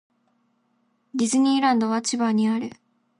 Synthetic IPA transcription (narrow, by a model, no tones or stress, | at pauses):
d̪ʲizɨɲ̟ʲiːɾãnd̪o̞βat͡ɕibaɲ̟iaɾɯ̟